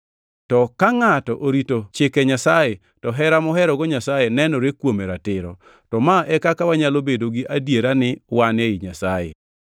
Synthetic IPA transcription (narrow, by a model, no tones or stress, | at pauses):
tɔkaŋatɔʔoɾitot͡ʃɪkɛɲasaje | tɔɦɛɾamɔɦɛɾɔɡɔɲasajenɛnɔɾekwomeɾatɪɾɔ̰ | tɔmaʔɛkakawaɲalobedoɡiʔadjeɾanɪwaneiɲasajḛ